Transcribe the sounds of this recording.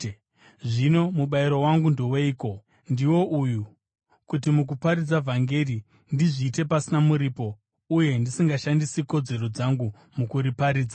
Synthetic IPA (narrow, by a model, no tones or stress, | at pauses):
ʐino̞muɓaiɾo̞waŋɡundowe̞iːko̞ | ndiwo̞ʔuju | kutimuk̬upaɾid͡zavʱaŋɡe̞ri | ndiʐiːte̞pasinamuɾiːpo̞ | uje̞ndisiŋɡaʃandisiko̞d͡ze̞ɾo̞d͡zaŋɡu | mukuɾipaɾiːd͡za